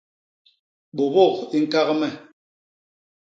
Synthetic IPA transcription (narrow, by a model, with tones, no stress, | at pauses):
ɓo˨bɔ˦˨ki˦ŋ̩˦ka˦ɣmɛ˦˨